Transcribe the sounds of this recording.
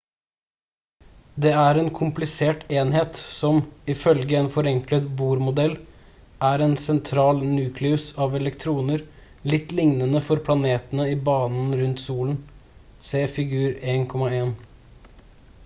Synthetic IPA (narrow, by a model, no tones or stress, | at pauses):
d̪ɛːæɾɛːnkʰʊmplɪseːʈeːnheːt̪sɔmɪfœlɡəɛːnfɔɾɛŋklət̪̚buːɾmʊd̪ɛl | ʔæːɾɛːnsɛnt̪ʰɾɑːlnʉːkʰlɪʉsɑʋɛlɛkt̪ʰɾuːnəɾ | lɪt̪ːlɪŋnənəfɔɾpʰlɑneːt̪ənəibɑːnn̩ɾʉnt̪suːln̩ | seːfɪɡʉːɾeːnkʰɔmɑeːn